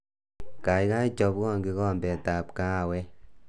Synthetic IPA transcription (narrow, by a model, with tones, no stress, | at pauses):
ka˨jka˦i˦t͡ʃɔ˧˦pkɔ˦ŋɡi˦ɣɔ˦˨mbɛ˨ta˨p̚ka˦˨wɛ˦